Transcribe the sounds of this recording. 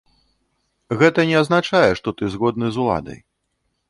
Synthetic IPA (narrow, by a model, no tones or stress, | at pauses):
ɣɛt̪ɐnʲɛaznat͡ʂajɛʂt̪ɔt̪ɨzɣɔd̪̚nɨzulˠa̰d̪ɐ̰j